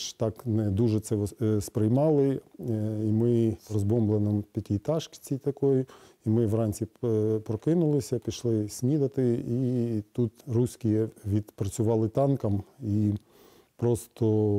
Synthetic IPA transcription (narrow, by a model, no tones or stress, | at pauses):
ʃt̪ɑknɛd̪uʒɛt̪sɛspɾɪjmɑlˠɪ | imɪrɔzbɔmblˠenɪmpʲitʲit̪ɑʃkt͡sʲijt̪ɐkɔj | imɪʋrɑnʲsʲipɾɔkɪnʊlˠɪsʲɐpʲiʃlˠɪsʲnʲid̪ɐt̪ɪit̪ut̪rusʲkʲijɛʋʲid̪pɾɐt͡sʲʊʋɑlˠɪt̪ɑnkɐmi | pɾɔst̪ɔ